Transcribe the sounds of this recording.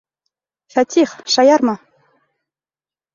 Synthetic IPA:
fæt̪ʲʰiχʃɑjɑɾmɑ

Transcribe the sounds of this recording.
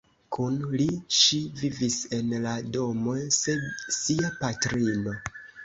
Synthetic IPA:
kʰunliʃivivise̞nlado̞mo̞jse̞dsiapatɾino̞

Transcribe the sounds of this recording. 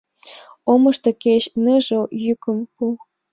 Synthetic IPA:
omɤ̆ʃt̪ɤ̆keɕnəʒɤ̆jykə̆mpu

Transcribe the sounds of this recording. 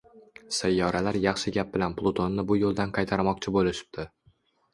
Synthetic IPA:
sajːɒɾalaɾjɑχʃɪɡʲap̚bɪlanplˠot̪ʰo̞nːɪbʊjolˠd̪anqʰɑjt̪ʰaɾmɒq̚t͡ʃʰɪbolɪʃɪ̥p̚t̪ʰɪ

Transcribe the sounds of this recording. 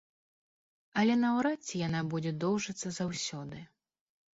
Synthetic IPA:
ɐlʲɛnɐwɾat͡sʲːijanabud͡zʲɛd̪ɔwʐɐt̪sːɐzawsʲɔd̪ɨ

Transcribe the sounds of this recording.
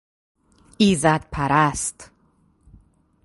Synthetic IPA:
iːzæd̪̚pʰæɾæst̪

